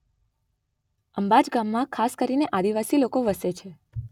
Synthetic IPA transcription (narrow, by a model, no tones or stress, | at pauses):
əmbad͡ʒɡamːãkʰaskəɾineʔad̪iʋasilokoʋəset͡ʃʰe